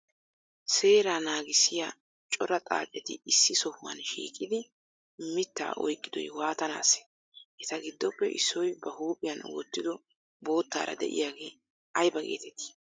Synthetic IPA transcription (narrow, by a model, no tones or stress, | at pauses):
se̞ːɾanaːɡɪsːɪja | t͡ʃʼɔɾɐt̪ʼa̰ːt͡ʃʼɛt̪ɪɪsːɪsɔhʊmɐnʃḭːkʼːɪd̪ɪ | mɪt̪ːa̰ːʔɔ̰jkʼːɪd̪ɔ̰jwaːt̪ɐna̰ːsɛ̥ | ʔɛt̪ɐɡɪd̪ːɔpːɛʔɪ̰sːɔjbɐhuːpʼɪjɐnwɔ̰t̪ːɪd̪ɔ | bo̞ːt̪ːa̰ːɾɐ̰d̪ɛ̰ʔɪ̰jaːɡe̞ː | ɐjbɐɡe̞̰ːt̪ɛt̪ːɪ̥